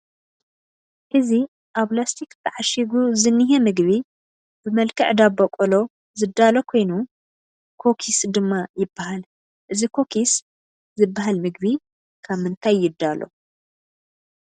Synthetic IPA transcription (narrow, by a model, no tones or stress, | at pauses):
ʔɨzi | ʔaβlast̪ʰikb̪ɨʕaʃiɡuzɨnːiɦɛmɨɡβi | b̥ɨmɐlkʰɨʕd̪abɐkʼɔlo̞ | zɨd̪ːalokʰo̞jnu | kʰo̞kʰisd̪ɨmːajɪbːahal | ʔɨzikʰo̞kʰis | zɨbːaɦalmɨɡ̚bi | kʰaβmɨnt̪ʰajːɪd̪ːalʔo̞̰